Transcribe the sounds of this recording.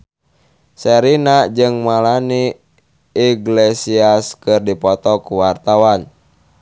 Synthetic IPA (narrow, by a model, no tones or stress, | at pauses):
sɛɾinad͡ʒɨŋmalani | iɡlesiaskɨrdipɔt̪ɔkuwart̪awan